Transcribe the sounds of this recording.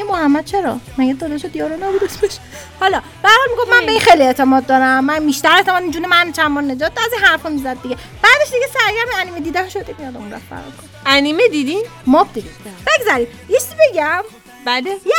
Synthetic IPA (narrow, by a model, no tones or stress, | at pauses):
emohæmːæd̪̥̚t͡ʃʰe̞ɾɒ̰mæɡed̪ɒːd̪eʃod̪jɒːɾɔnɒːbud̪esbeʃ | hɒlɒ | b̥ææɾhɒːlmiɡo̞fmænbeixejlieʔt̪ʰemɒːd̪̚ːɒːɾæmːæmiʃt̪æɾet̪emɒːd̪imd͡ʒuːnemænnt͡ʃʰænmɔːɾned͡ʒɒːt̪̚d̪ziɦæɾfɔmizæd̪̚ːiɡʲe | b̥æːd̪eʃd̪iɡesæɾɡæɾmiæniːmed̪iːd̪ænʃod̪emijɒd̪æmunɾæ̰ffæ̰ɾɔ̰kʰo | ænimed̪id̪in | mɒb̚d̪id̪imb̥eɡzæɾim | jet͡ʃʰizibeɡæm | bæleje